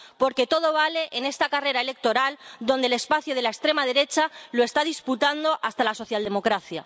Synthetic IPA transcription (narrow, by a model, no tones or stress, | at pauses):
po̞ɾke̞t̪o̞ð̞o̞β̞ale̞ʔene̞st̪akare̞ɾae̞le̞k̚t̪o̞ɾald̪o̞nd̪ele̞spaθjoð̞elaekst̪ɾe̞mað̞e̞ɾe̞t͡ʃalo̞e̞st̪aðisput̪and̪o̞ʔast̪alaso̞θjald̪e̞mo̞kɾaθja̰